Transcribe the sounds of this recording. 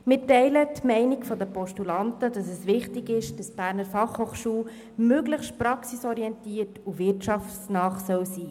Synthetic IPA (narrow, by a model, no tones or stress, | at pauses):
mɪtɛɪlətmɛɪnikfɔd̪əpɔʃtulɑntəd̥ɑsɛsʋɪχtɪɡɪʃd̥ɑsb̥æːɾnəɾfɑχhoːχʃuː | møɡləχʃtpɾɑksisɔɾiɛntiətuʋɪrtt͡ʃɑfsnɑːχsœwsiː